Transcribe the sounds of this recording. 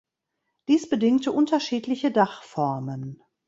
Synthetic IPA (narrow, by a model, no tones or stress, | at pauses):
d̥iːsb̥ədɪŋtəʔʊntɐʃiːtlɪçədaχfɔɐmən